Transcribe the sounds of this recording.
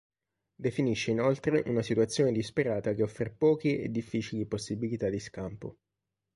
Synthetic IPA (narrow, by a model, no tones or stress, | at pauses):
d̪efiniʃːeinolt̪ɾeʔunasit̪uat̪sːjoːned̪ispeɾaːt̪ak̟eɔfːɾepɔːk̟iḛd̪ːifːiːt͡ʃiliposːibilit̪ad̪ːiskampo̰